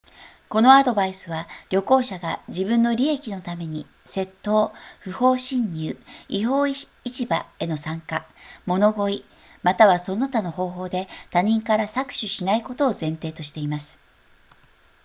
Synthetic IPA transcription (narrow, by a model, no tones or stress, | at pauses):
ko̞no̞ad̪o̞baisɨβaɾʲo̞ko̞ːɕaɡaʑibɯ̟̃nːo̞ɾʲie̞kʲino̞t̪ame̞ɲ̟i | se̞t̪ːo̞ːɸɯ̟ho̞ːɕĩɲ̟ːɯːiɦo̞ː | it͡ɕibae̞no̞sãŋkamo̞no̞ɡo̞i | mat̪aβaso̞not̪ano̞ɦo̞ːɦo̞ːd̪e̞t̪aɲ̟ĩŋkaɾasakɯ̟̥ɕɨɕinaiko̞t̪o̞ːzẽ̞nt̪e̞ːt̪o̞ɕi̥t̪e̞imasɨ̥